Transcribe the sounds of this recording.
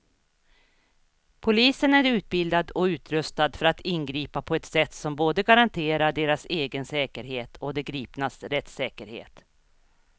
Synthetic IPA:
pʰʊliːsənæɾʉ̟ːt̪̚bɪld̪ad̪ɔʉ̟ːt̪ɾɵst̪ad̪fœɾat̪ʰɪnɡɾiːpapʰɔɛt̪sɛt̪ːsɔmboːd̪əɡaɾant̪ʰeːɾaɖeːɾaseːɡənsɛːkəɾɦeːt̪ʰɔd̪ɛɡɾiːpnasɾɛt̪sɛːkəɾhḛːt̪

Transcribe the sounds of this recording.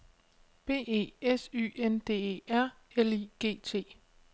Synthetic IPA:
b̥e̝̰ːe̝̰ːesy̰ːend̥e̝̰ːeæɐ̰ | eliːɡ̥e̝̰ːt͡sʰe̝̰ː

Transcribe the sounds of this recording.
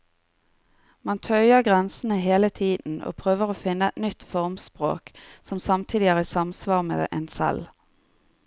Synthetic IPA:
mɑnt̪ʰœʏəʁɡʁɛnsən̩əɦeːlət̪ʰiːd̪n̩o̰ːpʰʁøːʋəʁoːfɪnːəɛt̪nʏt̪fɔʁmspʁo̰ːksɔmsɑmt̪ʰiːd̪ɪæːʁiːsɑmsʋɑːʁmḛːʔeːnsɛ̰l

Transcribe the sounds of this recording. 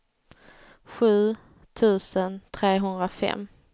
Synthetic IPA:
ɧʉ̟ː | t̪ʰʉ̟ːsənt̪ʰɾeːɦɵnd̪ɾafɛ̰mː

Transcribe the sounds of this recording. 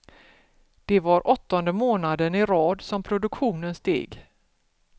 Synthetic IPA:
d̪̥ɛvaɾʔɔt̪ːɔnd̪əmoːnad̪ənɪɾɑːd̪sɔmpʰɾʊd̪ɵkɧuːnənst̪ḛːɡ

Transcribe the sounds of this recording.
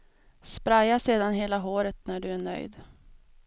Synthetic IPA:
spɾajaseːd̪anɦeːlaɦoːɾət̪næɖɵæɳœ̰jd̪

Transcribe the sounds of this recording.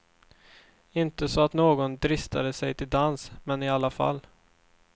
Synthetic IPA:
ɪnt̪əsɔat̪noːɡɔnd̪ɾɪst̪ad̪əsɛjt̪ʰɪld̪ansmɛnɪalːafa̰lː

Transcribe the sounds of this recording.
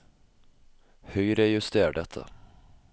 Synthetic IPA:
hœʏɾɛjʉst̪eːɖɛt̪ʰːə̰

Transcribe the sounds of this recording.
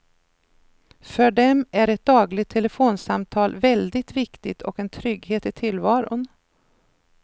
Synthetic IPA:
fœɖɛmæɾɛt̪̚d̪ɑːɡlɪt̪ʰːɛlɛfoːnsamt̪ʰɑːlvɛld̪ɪt̪vɪkt̪ɪt̪ʰɔ̰kɛnt̪ʰɾʏɡheːt̪ɪt̪ʰɪlːvɑːɾʊ̰n

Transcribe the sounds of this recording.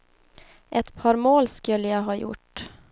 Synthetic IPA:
ʔɛt̪pʰɑːɾmoːlskɵlːəjɑɡɦɑːjʊ̰ʈ

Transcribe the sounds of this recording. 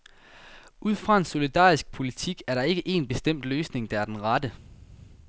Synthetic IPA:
ʔuð̞̰ˠfʁɑ̈e̝nso̝lid̥ɑ̰̈ːisɡ̥̚pʰo̝lit͡sʰiɡ̥æɐɾɑ̈e̝ɡ̥əʔe̝̰nb̥e̝sd̥em̰d̥løːsne̝ŋd̥ɑ̈æɐd̥enʁɑd̥ə

